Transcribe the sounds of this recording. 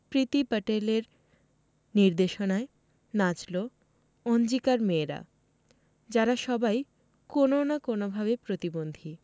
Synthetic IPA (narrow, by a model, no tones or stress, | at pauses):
pɾit̪ipəʈeleɾ | niɾd̪eʃonae | nad͡ʑlo | ɔnd͡ʑikaɾmeːɾa̰ | d͡ʑaɾaʃɔbaj | kononakonobʱaβepɾot̪ibond̪ʱi